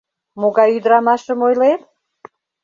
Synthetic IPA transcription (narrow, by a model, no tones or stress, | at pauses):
moɣɑjyd̪ɾɑmɑʃəmojlet̪̚